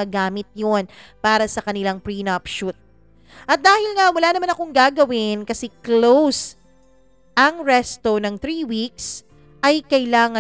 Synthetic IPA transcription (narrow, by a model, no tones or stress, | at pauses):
ɐɡaːmɪt̪̚jonpaːɾɐsɐkɐnɪlaŋpɹinɐpʃut̪̚ | ʔɐt̪̚d̪aːhɪlŋawɐlaːnɐmanɐkoŋɡaːɡɐwɪnkɐsɛklows | ʔɐŋɹɛst̪onɐŋt̪ɾiːwik̚s | ʔɐjkɐɪlaːŋɐ